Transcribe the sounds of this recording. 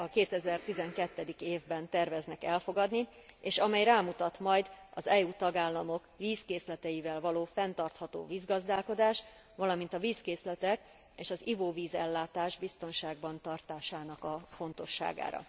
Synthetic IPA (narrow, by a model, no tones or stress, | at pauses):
ɒkeːt̪ɛzɛrt̪izɛŋkɛt̪ːɛd̪ikeːvbɛnt̪ɛrvɛznɛkɛlfo̞ɡɒd̪nieːʃɒmɛjraːmut̪ɒt̪mɒjd̪ɒzɛuːt̪ɒɡaːlːɒmo̞kviːskeːslɛt̪ɛjivɛlvɒloːfɛnt̪ɒrt̪hɒt̪o̰ːviːzɡɒzd̪aːlko̞d̪aːʃ | ʋvɒlɒmint̪ɒviːskeːslɛt̪ɛk | eːʃɒzivoːviːzɛlːaːt̪aːʒbist̪o̞nʃaːɡbɒnt̪ɒrt̪aːʃaːnɒkɒfo̞nt̪o̞ʃːa̰ːɡa̰ːɾɒ̰